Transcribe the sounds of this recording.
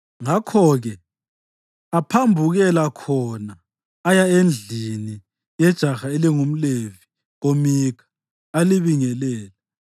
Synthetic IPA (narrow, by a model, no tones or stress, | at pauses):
ŋakʰɔɣɛ | apʰambʱuɣɛlakʰɔnaː | jaend͡ɮʱini | jɛd̥ʒ̥ʱaxaeliŋum̩levi | omikʰḁ | aliβiŋɛlɛːlɛ